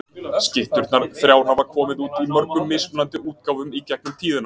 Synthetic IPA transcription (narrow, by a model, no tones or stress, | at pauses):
scɪht̪ʏɾt̪naɾθɾjaːwnavaɾkʰɔːmɪðuːt̪imœɾkʏmːɪspnant̪ɪuːt̪̚kawvʏmicɛk̚nʏmt̪ʰiːðʏna